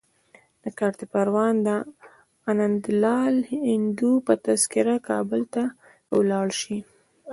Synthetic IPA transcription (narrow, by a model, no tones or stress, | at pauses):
d̪̥əkaɾt̪epaɾwɑnd̪ə | anand̪lɑlhhɪnd̪upət̪askɪɾakɑbəlt̪a | wlɑɽʃi